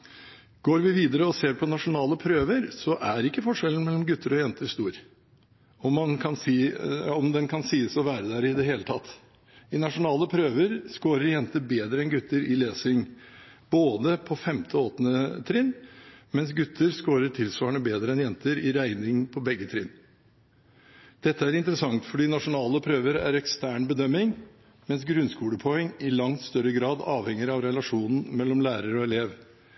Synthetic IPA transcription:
ɡ̥oːɾʋɪʋiːd̪əɾəɔseːɾpʰɔnɑʂʊnɑːləpʰɾøːʋəɾsɔʔæɾɪkːəfɔʂɛln̩mɛlːɔmɡʉt̪ːəɾɔjɛnt̪əɾst̪uːɾ | ɔmːɑnkʰɑnsiɔmd̪ɛnkʰɑnsiːəsɔʋæːɾəd̪æɾɪd̪ɛɦeːlət̪ʰɑt̪ː | ɪnɑʂʊnɑːləpʰɾøːʋəɾskoːɾəɾjɛnt̪əbeːd̪ɾəɛnɡʉt̪ʰːəɾɪleːsɪŋ | b̥oːd̪əpʰɔfɛmt̪ʰəoːt̪nət̪ʰɾɪnmɛnsɡʉt̪ʰːəɾskoːɾəʈʰɪlsʋɑːɳəbeːd̪ɾəɛnjɛnt̪əɾɪɾæɪnɪŋpʰɔbɛɡːət̪ʰɾɪn | d̪̥ɛt̪ːəæɾɪnt̪əɾəsɑŋt̪fɔɖiːnɑʂʊnɑːləpʰɾøːʋəɾæ̰ɾɛkst̪æːɳbəd̪œmɪŋ | mɛnsɡɾʉnskuːləpʰɔɛŋːɪlɑŋt̪st̪œɾəɡɾɑːd̪ɑːʋhɛŋəɾɑʋɾɛlɑʂuːnn̩mɛlːɔmlæːɾəɾɔɛleːʋ

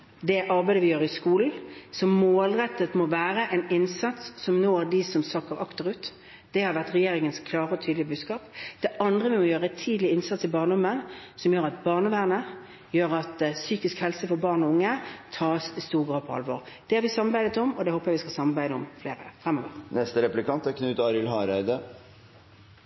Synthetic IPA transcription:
d̪ɛʔɑɾbæɪd̪əʋɪjøːɾɪskuːln̩sɔmːoːlɾɛt̪ːət̪mɔʋæːɾəʔɛnɪnsɑt̪sːɔmnoːd̪ɪsɔmsɑkːəʁɑkt̪əɾʉːt̪ | d̪̥ɛhɑɾʋæʁt̪ʁɛjeːɾɪŋənskʰlɑːɾəɔt̪ʰyːd̪lɪəbʉːd̪skɑːpd̪̥ɛʔɑnd̪ʁəʋɪmɔjøːɾəɛt̪ʰiːd̪lɪɪnsɑt̪sɪbɑːʁnəɔmːənsɔmjøːɾɑt̪bɑːʁnəʋæːʁnə | jøːɾɑt̪syːkɪskhɛlsəfɔɾbɑːʁnɔʊŋːət̪ʰɑːsɪst̪uːʁɡɾɑːd̪̚pʰɔɑ̰lʋɔʁd̪̥ɛæɾʋɪsɑmːɑɾbæɪd̪ət̪ɔmɔd̪ɛhoːpəjæɪʋɪskɑlsɑmːɑɾbæɪd̪əɔmfleːɾə̰fʁɛmːɔːʋəʁnɛst̪əɾɛplɪkɑnt̪ækʰnʉːt̪ɑːɾɪlɦɑɾæɪd̪ə

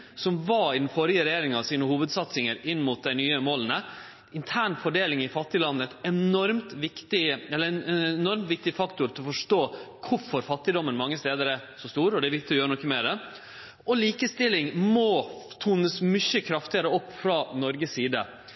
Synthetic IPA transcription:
sɔmʋɑɪd̪n̩fɔɾɪəɾɛjeːɾɪŋɑʋsiːnəhuːʋəd̪sɑt̪sɪŋəɾɪnːmʊt̪̚d̪æɪnyːəmoːlənə | ɪnt̪ʰæːɳfɔɖeːlɪŋɪfɑt̪ːɪlɑnːəɛt̪ɛnɔɾmt̪ʋɪkt̪ɪɛlːəɛɛnɔɾmt̪ʋɪk̚t̪ɪfɑkt̪ʊɾt̪ʰɪlɔfɔʂʈoːkʰʊɾfɔɾfɑt̪ːɪd̪ɔmːənmɑŋːəst̪eːd̪əɾɛæsɔst̪uːɾɔd̪ɛʋɪkt̪ɪɔjøːɾənɔkːəmeːɾɛ | ɔliːkəst̪ɪlɪŋmɔt̪ʰuːnəsmʏçːəkʰɾɑft̪ɪɑɾəɔpːfɾɑnɔɾɡəsiːd̪ə̰

